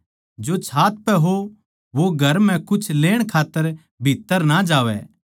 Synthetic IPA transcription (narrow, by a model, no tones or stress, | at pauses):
d͡ʒoːt͡ʃʰaːt̪̚pɛɦo | ʋoɡʱɐɾm̤ɛ̃kʊt͡ʃʰleːɽ̃kʰaːt̪ːəɾ | bʱiːt̪ːəɾnad͡ʒaːʋɛ̰ː